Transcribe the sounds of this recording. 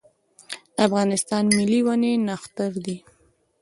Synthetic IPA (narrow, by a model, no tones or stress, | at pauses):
afɣɑnɪst̪ɑnmɪliwanenaxt̪əɾd̪i